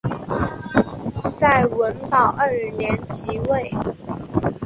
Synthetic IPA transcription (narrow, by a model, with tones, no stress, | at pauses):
t͡sa˥˩ɪwə˧˦˥npɑ˨˩ʊʔə˥˧˨njɛ˧˥nt͡ɕʰi˧˥we˥˩ɪ